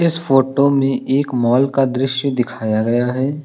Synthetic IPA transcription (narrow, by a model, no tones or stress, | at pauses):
ɪsfoːʈomẽʔeːkmɔːlkad̪ɾɪʃjəd̪ɪkʰaːjaɡɐjaɦɛː